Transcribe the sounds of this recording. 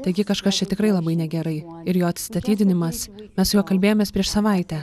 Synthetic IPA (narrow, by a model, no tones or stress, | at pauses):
t̪ɐɪɡʲɪkɐʃkɐst͡ʃʲɛt̪ʲɪkɾɐɪlˠɐbɐɪnʲɛɡʲɛɾɐɪɪɾjoːɐt̪st̪ɐt̪ʲiːd̪ʲɪnʲɪmɐsmʲɛsjuːkɐlʲbʲeːjoːmʲeːspʲɾʲiɛʃsɐʋɐɪt̪ʲɛ